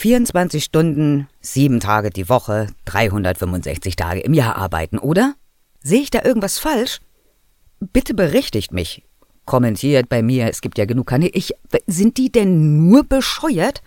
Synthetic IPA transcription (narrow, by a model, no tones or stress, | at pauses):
fiːɐʊntt͡sv̥ant͡sɪçʃtʊndn̩z̥iːbm̩tʰaːɡədiːvɔχəd̥ʁaɪɦʊndɐtfʏmvʊnzɛ̰çt͡sɪçtʰa̰ːɡə̰ʔɪmjaːɐʔa̰ɐba̰ɪtn̩ʔoːdɐ | zeːəɪçd̥aːʔɪɐɡŋ̩tv̥asfalʃ | b̥ɪtʰəbəʁɛçtɪçtmɪç | kʰɔmɛntʰiːɐt̚b̥aɪmiːɐɛsɡ̥iːp̚tjaːɡənuːkʰːaɐnelʔɪçzɪnt̚d̥iːdɛnːuːɐbəʃɔʏɐt